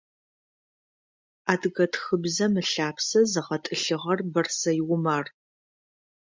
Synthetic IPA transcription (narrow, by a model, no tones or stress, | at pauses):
aːtɣɐtʰxɨbzɐmɨɬaːpʰsɐzɨqɐtʼɨɬɨʁɐrbɐrsɐjɪwʊmaːr